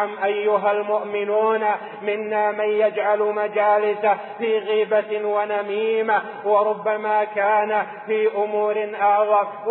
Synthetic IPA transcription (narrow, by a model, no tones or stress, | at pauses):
amʔajːʊɦalmʊʔmɪnuːna | mɪnːaːmanjad͡ʒʕalmad͡ʒaːlɪsa | fiːɣiːbawanamiːma | wɑɾˤʊbːamaːkaːna | fiːʔʊmuːɾɪnʔɑʕɣɑɾˤ